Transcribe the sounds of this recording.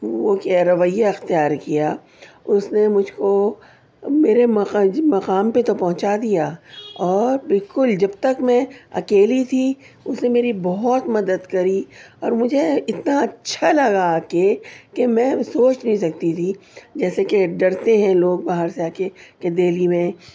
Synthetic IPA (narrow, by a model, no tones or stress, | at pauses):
ʋokɾɐʋəjːaɪxt̪ijaːɾkija | ʊsnemʊd͡ʒʱko | meːɾemɐmɐqaːmpet̪opɐɦʊ̃t͡ʃad̪ijaːɔːɾbɪlkʊld͡ʒɐbt̪ɐkmɛ̃ɐ̰keːlit̪ʰi | ʊsnemeːɾibɔɦʊt̪mɐd̪əd̪kɐɾiɔːɾmʊd͡ʒʱeɪt̪naɐtːʃʰalɐɡaːkekemɛ̃soːt͡ʃnɐɦĩsɐkt̪it̪ʰid͡ʒɛːsekeɖɐɾt̪eɦɛ̃loːɡ̚baːɦəɾseaːkeked̪eːlimẽ